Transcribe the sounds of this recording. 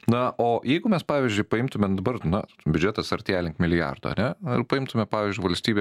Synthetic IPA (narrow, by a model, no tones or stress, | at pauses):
nɐʔoːjɛɪɡʊmʲɛspɑːʋʲɪzʲd͡ʒʲʊɪpɐɪmt̪ʊmʲɛd̪ɐbɐrnɐ | bʲʊd͡ʒʲɛt̪ɐsɐɾʲt̪ʲæːlʲɪŋkmʲɪlʲɪjɑ̰rd̪o̰ːɐ̰nʲɛɪpɐɪmt̪ʊmʲɛpɑːʋʲɪːzʲd͡ʒʲʊɪʋɐlʲsʲt̪ʲiːbʲeː